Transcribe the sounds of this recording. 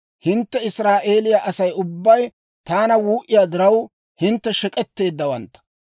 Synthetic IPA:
hɪnt̪ːɛɪsɾaːʔe̞ːlɪjaʔɐsɐjʊbːɐj | t̪aːnɐwuːʔɪjaːd̪ɪɾɐw | hɪnt̪ːɛʃɛkʼɛt̪ːe̞ːd̪ːɐwɐnt̪ːɐ̥

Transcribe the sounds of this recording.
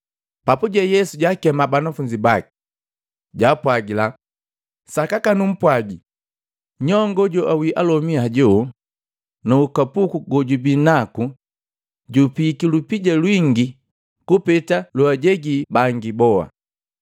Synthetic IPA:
papuɟɛjɛsuɟakɛmabanafuɲd͡ʒibaki̥ | ɟaːpwaɡila | sakakanum̩pwaɡi | ɲɔŋɡɔɟɔʔawiʔalɔmiaɟɔ | nuukapukuɡɔɟubinaku | ɟupikilupiɟalwiŋɡi | kupɛtaluaɟɛɡibaŋɡibɔa̰

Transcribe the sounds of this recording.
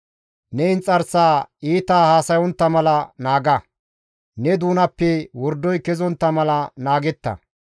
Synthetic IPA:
nɛɪnt͡sʼɐɾsaːiːt̪aːhaːsɐjɔnt̪ːɐmɐlɐnaːɡɐ | nɛd̪uːnɐpːɛwɔɾd̪ːɔjkɛzɔnt̪ːɐmɐlɐnaːɡɛt̪ːɐ̰

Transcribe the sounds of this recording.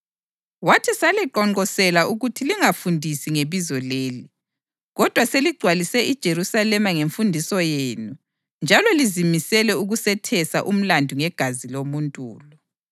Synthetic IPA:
watʰisalɛǃɔŋ͡ǃɔsɛlauɣutʰiliŋafundʱisiŋeβizɔleːli | ɣɔd̥ʱwaseliɡ͡ǀʱwalisɛʔid̥ʒ̥ʱerusalɛmaŋeɱfundʱisɔjeːnu | nd͡ʒʱalɔlizimisɛlɛuɣusɛtʰɛsaʔum̩landʱuŋɛɡ̥ʱazilomuntʼṵːlɔ

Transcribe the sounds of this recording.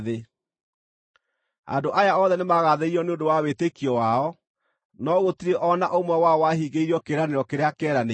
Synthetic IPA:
ðe | a̰ndoʔajaɔðɛnemaɣaðeiɾɔneondowawetekiɔwaɔ | nɔɣotiɾeʔɔnaʔomwɛwaɔwaɦiɣeiɾiɔkeɾaneɾɔkeɾeakɛɾane

